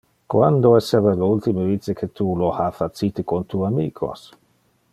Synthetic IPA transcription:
kwand̪oɛsevaleult̪imevit͡sekʰet̪ulohafat̪t͡sit̪ekont̪uamiːkʰo̰s

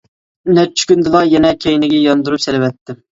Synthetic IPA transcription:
nɛɾt͡ʃʰy̥kʲynd̪ɨlˠɑjɛnɛkʲʰejnɪɡʲɛjɑnd̪uɾupselɪvɛt̪ʰːɪ

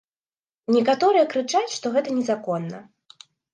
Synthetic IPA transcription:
nʲɛkat̪ɔɾɨjɛkɾɨt͡ʂat͡sʲʂt̪ɔɣɛt̪ɐnʲɛzakɔnːɐ̰

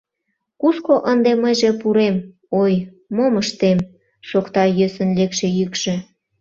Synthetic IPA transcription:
kuskoʔənd̪eməjʒepuɾem | ojː | oməʃt̪em | ʃokt̪ɑjøsənlekʃĕjykʃĕ

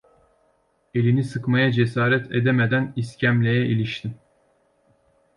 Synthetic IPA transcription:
e̞lʲinisɯkmajad͡ʒesaːɾɛt̪ʰed̪ɛmed̪æniscʰæmlʲejɛʔilʲiʃt̪ʰim

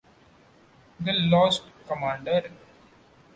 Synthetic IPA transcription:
d̪əlɔːsʈkəmãːɳɖəɾ

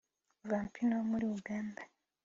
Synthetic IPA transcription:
ovaːmpʰinomuliuɡaːmda

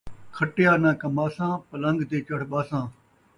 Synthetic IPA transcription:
kʰəʈɪjaːnãːkɐmaːsãːpələŋɡd̪eːt͡ʃəɽ̤ɓaːsãː

